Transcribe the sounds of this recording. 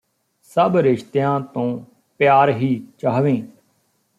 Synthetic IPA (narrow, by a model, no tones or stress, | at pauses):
səbɾɪʃt̪jãːt̪õː | pjaːɾɦiːt͡ʃaːʋẽː